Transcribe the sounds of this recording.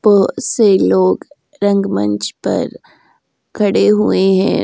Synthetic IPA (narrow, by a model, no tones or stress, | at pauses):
b̥ɔɦʊt̪seloːɡ | ɾɐ̃ŋɡmɐ̰̃ɲt͡ʃpɐ̰ɾ | kʰɐɽeɦueɦɛ̃